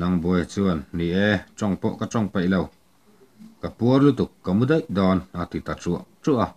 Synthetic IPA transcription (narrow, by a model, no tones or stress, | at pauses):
nɐŋbɔjt͡suənːiʔɛt͡sɔŋpɔʔkat͡sɔŋpejlow | kapuɔrlut̪ukːamud̪ejd̪ɔnʔat̪it̪at͡suəʔt͡suʔa